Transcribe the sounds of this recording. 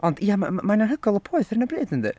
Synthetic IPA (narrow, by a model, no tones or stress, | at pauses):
ɔndiama̰majnanhəɡɔlˠɔpʰoːɨθərnəbriːdənd̪ɨ̰